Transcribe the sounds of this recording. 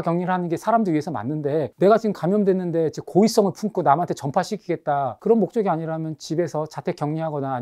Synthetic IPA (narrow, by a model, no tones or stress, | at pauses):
kjʌŋɲiɾɯɭhanɯnɡe̞sʰaɾamdɯɾɥiɦesʰʌma̰nːɯnde̞ne̞ɡad͡ʑiɯmkamjʌndwe̞nːɯnde̞d͡ʑekois͈ʌŋɯɭpʰunk͈ʰonamɦantʰet͡ɕʌmpʰaɕʰikʰiɡe̞tt̚t͈akɯɾʌnmok̚t͡ɕ͈ʌɡiaɲiɾamjʌnt͡ɕibe̞sʰʌt͡ɕatʰek͈jʌŋɲiɦaɡʌnaː